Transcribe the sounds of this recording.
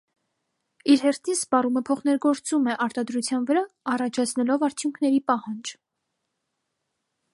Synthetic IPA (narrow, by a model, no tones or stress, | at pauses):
iɾhɛrt̪ʰinspɑruməpʰɔχnɛɾɡɔɾt͡sumɛʔɑɾt̪ɑd̪ɾut͡sʰjɑnvəɾɑɑrɑt͡ʃʰɑt͡sʰnɛlɔvɑɾt͡sʰjuŋkʰnɛɾipɑhɑnd͡ʒ